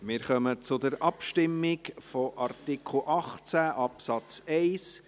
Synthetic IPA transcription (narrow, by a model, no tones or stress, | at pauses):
mɪɾχœmət͡sʊd̪əɾʔɑpʃtɪmːɪkfoʔɑɾt̪ɪkʰl̩ʔɑχt͡sæʔɑpsɑt͡sɛɪs